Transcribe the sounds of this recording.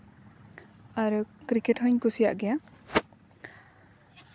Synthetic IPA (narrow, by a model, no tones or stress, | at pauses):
aɾukɾikeʈɦɔɲkusija̰ʔɡɛja